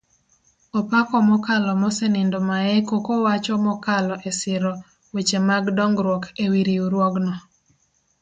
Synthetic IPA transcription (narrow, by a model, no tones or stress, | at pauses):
ɔpakɔmɔkalɔmɔsɛnɪndomaɛkokowat͡ʃɔmɔkalɔʔesɪɾɔ | wet͡ʃemaɡdɔŋɡɾwɔkewiɾiuɾwɔɡnɔ